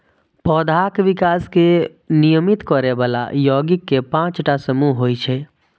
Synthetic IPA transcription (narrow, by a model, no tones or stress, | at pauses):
pɔːd̪ʱaːkʋɪkaːske | nijəmit̪kɔɾeʋaːla̰jɔːɡɪkːepãːt͡ʃʈasəmuɦɦoːit͡ʃʰɛː